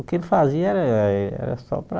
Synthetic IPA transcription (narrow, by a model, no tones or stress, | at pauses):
ukelfaziɐɛɾɐɛ̰ɾɐ̰sɔ̰pɾa